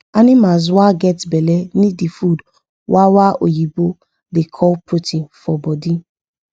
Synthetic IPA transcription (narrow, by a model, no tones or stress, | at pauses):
anĩmaz̬waɡɛtbɛlɛnidifud | wawaʔojibo | dekʰɔlputʰĩnfɔbɔdĩ